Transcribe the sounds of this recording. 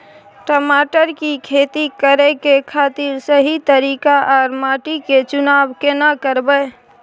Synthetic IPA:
ʈəmaːʈəɾkikʰeːt̪ikəɾɛkekʰat̪iɾsəɦit̪əɾiːkaʔɔːɾmaːʈiket͡ʃʊnaːbkenakəɾbəe

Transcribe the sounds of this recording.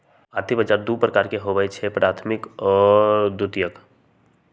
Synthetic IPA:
aɾt̪ʰibəd͡ʒaːɾd̪upɾəkaːɾkeɦobəjt͡ʃʰɛpɾaːt̪ʰmɪkɔd̪ʊt̪jək

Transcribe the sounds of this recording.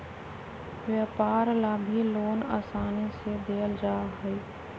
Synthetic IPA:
ʋjaːpaːɾlabʱiloːna̰ːsaːnesed̪eːəld͡ʒaːɦɛi

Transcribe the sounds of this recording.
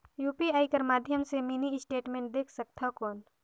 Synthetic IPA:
juːpiaːikəɾmaːd̪ʱjəmseminiɪsʈeːʈmẽːɳʈ̚d̪eːkʰsək̚t̪ʰakɔːn

